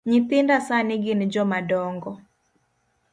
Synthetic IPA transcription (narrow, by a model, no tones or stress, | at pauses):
ɲɪt̪ɪndasanɪɡɪnd͡ʒɔmadɔŋɡɔ